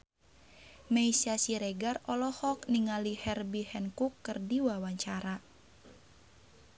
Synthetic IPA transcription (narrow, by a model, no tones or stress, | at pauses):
mɛisiasiɾɛɡarɔlɔhɔkniŋalihɛrbihɛnkukːɨrdiwawaɲt͡ʃaɾa